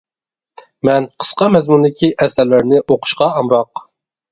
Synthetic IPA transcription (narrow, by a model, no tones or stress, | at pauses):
mɛnqʰə̥sqɑmɛzmund̪ɪkʲʰiʔɛsæɾlɪɾnɪʔoqʰʊ̥ʃqɑɑmɾɑq